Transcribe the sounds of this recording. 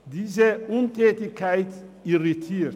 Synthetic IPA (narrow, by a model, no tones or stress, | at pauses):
diːzəʔʊntʰɛːtɪçkʰaɪtiʁitʰiː